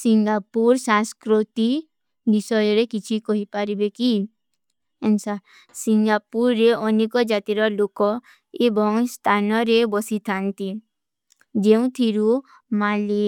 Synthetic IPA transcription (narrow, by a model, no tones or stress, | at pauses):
siŋɡapuɾsãskɾut̪i | d̪isɔjɔɾekit͡ʃʰikɔɦipaɾibeki | ensa | siŋɡapuɾːeɔnikɔd͡ʒat̪iɾɔlokɔ | ebɔŋst̪ʰanɔɾebɔsit̪ʰant̪i | d͡ʒeũt̪ʰiɾu | male